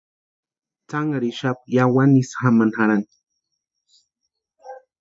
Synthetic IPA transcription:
t͡saŋaɾiʃap̚jawanisxamanhaɾan

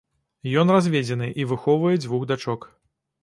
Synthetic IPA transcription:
jɔnrazʲvʲed͡zʲɛn̪ɨʔivɨxɔwvɐjɛd͡zʲvuɣd̪at͡ʂɔk

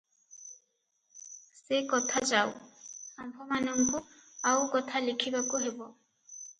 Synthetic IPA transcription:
sekɔt̪ʰad͡ʒawambʱɔmanɔmbʱuawkɔt̪ʰalikʰibakuɦebɔ

